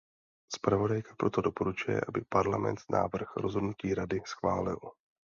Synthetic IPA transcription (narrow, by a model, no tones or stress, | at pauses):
spɾavo̞dajkḁpɾo̞t̪o̞do̞po̞ɾut͡ʃujɛ̰ʔabɪpaɾlamɛ̰nt̪nʔa̰ːvr̩xɾo̞̰zɦo̞dnuciːɾadɪsxvaːlɪ̰l